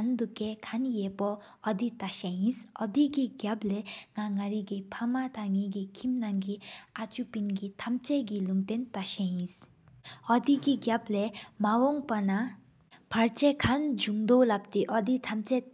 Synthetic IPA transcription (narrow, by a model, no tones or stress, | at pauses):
and̪ukːekʰanjepɔː | d̪it̪aʃeĩsɔd̪iɡiɡjableŋaŋaɾiɡipʰamat̪ʰaŋiɡikʰimnaŋɡiat͡ʃupinɡit̪ʰɐmt͡ʃeɡiluŋt̪ent̪aʃeĩs | ɔd̪iɡiɡjablemawɔŋpɐna | pʰɐɾt͡ʃekʰand͡ʒumd̪olab̚t̪iʔɔd̪it̪ʰamt͡ʃe